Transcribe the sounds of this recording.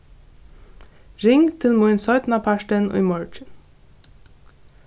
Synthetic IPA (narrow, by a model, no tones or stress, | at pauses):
ɾɪŋt̪ʰɪlmʊɹɪnsɔʏt̪n̩ɑpʰæʃʈənʔo̰imɔɹt͡ʃən